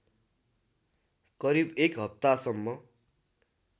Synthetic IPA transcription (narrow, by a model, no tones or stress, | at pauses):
kʌɾibekɦʌp̚t̪asʌmːʌ